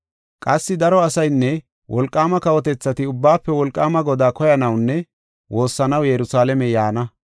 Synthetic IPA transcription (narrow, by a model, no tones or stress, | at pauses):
kʼɐsːɪd̪ɐɾɔɐsɐjnːɛ | wʔɔlkʼːaːmɐkɐwɔt̪ɛt͡sːɐt̪ɪʊbːaːpːɛwɔlkʼːaːmɐɡɔd̪aːkɔjɐnɐwnːɛ | wʔo̞ːsːɐnɐwjɛɾʊsaːlɛmɛjaːnɐ